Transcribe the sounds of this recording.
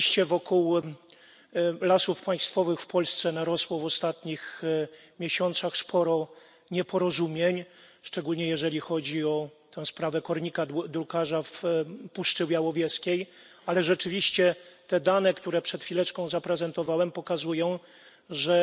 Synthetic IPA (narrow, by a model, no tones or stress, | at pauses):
ɕt͡ɕɛvɔkuw | lasufpaj̃st̪fɔvɘxfpɔlst̪sɛnaɾɔswɔvɔst̪at̪ɲix | mʲjɛɕɔnt̪saxspʰɔɾɔ | ɲɛpʰɔɾɔzumʲjɛɲ | ʂt͡ʂɛɡulɲɛjɛʐɛlʲixɔd͡ʑiɔt̪ɛ̃w̃spɾavɛkɔɾɲikad̪ɾukaʐafpuʂt͡ʂɘwjawɔvʲjɛskʲej | alɛʐɛt͡ʂɘvʲiɕt͡ɕɛt̪ɛd̪anɛkt̪uɾɛpʂɛt̪fʲilɛt͡ʂkɔ̃w̃zapɾɛzɛnt̪ɔvawɛmpɔkazujɔ̃w̃ | ʐɛ